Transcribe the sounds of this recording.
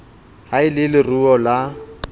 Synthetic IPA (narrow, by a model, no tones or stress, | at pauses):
haɪlɪlɪruɔla